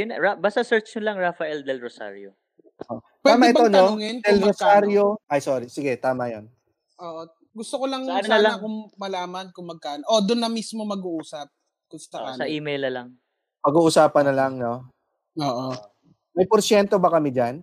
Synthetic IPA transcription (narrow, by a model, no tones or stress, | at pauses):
jʊnɹabast̪ɐsɛɹt͡ʃʊlɐŋɹafɐʔɛld̪ɛlɹosa̰ɾjo̰ | ʔʔoʔptpwɛaːmɐɛbt̪onɐoŋɛnd̪ɛlɾosaɾjoʔɐjsoːɾisɪɡɛt̪aːmɐjon | ʔoːʔo | ɡʊst̪okolɐŋɐɐnonɐlɐkʊŋmɐlaːmɐnkʊŋmɐɡ̚kaʔnʔod̪ʊnːɐmismomɐɡuʔuːsɐp̚ | kʊst̪ɐɐʔiːmejlnɐlɐŋ | pɐɡuːʔʊsaːpɐnːɐlaŋno̞ | oːʔo | mɐjpoɾsjɛnt̪obɐkɐmid͡ʒan